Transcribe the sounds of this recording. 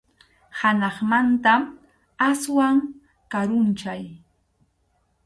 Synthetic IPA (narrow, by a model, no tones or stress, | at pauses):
hanɑχmant̪am | aswaŋ | kaɾʊnt͡ʃaj